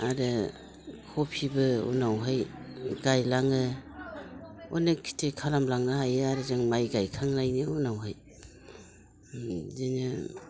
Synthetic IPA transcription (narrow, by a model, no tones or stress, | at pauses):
aɾɯ | kʰɔpʰibɯṵnawɦajɡajlaŋɯ | ɔ̰nekʰːi̥tʰekʰalamlaŋnɯɦajaɾɯzɯŋmajɡajkʰaŋlajniunawɦaj | zenɯ